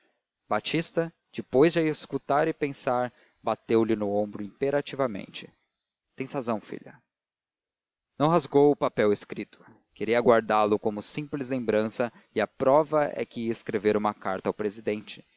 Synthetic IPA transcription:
bat͡ʃist̪ɐ | d͡ʒɪpojzd͡ʒeskut̪aɾɪpẽsaɾ | bat̪ewlɪnʊõbɾʊĩmpeɾat͡ʃivɐmḛ̃nt͡ʃɪ̥ | t̪ẽj̃sazɐ̃w̃fḭʎɐ | nɐ̃w̃ɦazɡowʊpapɛweskɾit̪ʊ̥ | keɾiɐaɡwaɾd̪alʊkõmʊsĩplɪzlẽmbɾɐ̃sɐ | ɪɐpɾɔvɐʔɛ̰kɪeskɾeveɾũmɐkaɾt̪ɐawpɾezid̪ẽt͡ʃɪ̥

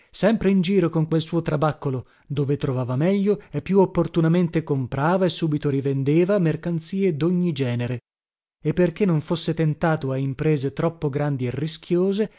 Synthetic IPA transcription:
sɛmpɾeind͡ʒiːɾokoŋkwelsuːot̪ɾabakːolo | d̪oːvet̪ɾovaːvamɛʎːoepːjuopːort̪unament̪ekompɾaːvaesːuːbit̪oɾivend̪eːvamerkant̪siːed̪oɲːid͡ʒɛːneɾe | epːerkenːoɱfosːet̪ent̪aːt̪oaimpɾeːzet̪ɾɔpːoɡɾand̪ierːiskʰʲjoːze

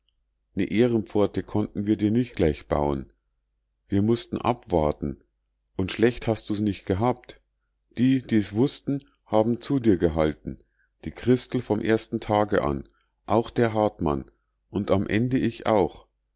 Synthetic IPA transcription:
nəʔeːʁənp͡fɔɐtəkʰɔntn̩viːɐdiːɐnɪçt̚ɡ̥laɪçb̥a̰ʊən | viːɐmʊstn̩ʔa̰pv̥aɐtn̩ | ʔʊntʃlɛçthast̚d̥uːsnɪçt̚ɡ̥əɦaːp̚t | d̥iːd̥iːɛsv̥ʊstn̩ | haːbm̩t͡sudiːɐɡəɦaltn̩ | d̥iːkʁ̥ɪstl̩fɔmʔḛːɐstn̩tʰaːɡəʔa̰n | ʔaʊxd̥eːɐɦaɐtma̰n | ʔʊntamʔɛndəʔɪça̰ʊx

